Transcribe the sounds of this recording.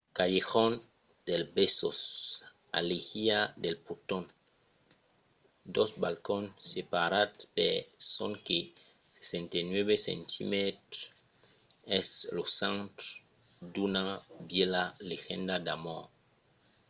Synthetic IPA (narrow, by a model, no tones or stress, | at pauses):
kajexon | d̪̥elbesos | a̰lexiad̪elput̪on | d̪osbalkonsepaɾat̪pesoŋke | se̥sẽnt̪ajnweβesḛ̃nt̪ʰḭmet̪ | ɛslosãnt̪ | d̪unabjelalexẽnd̪ad̪amo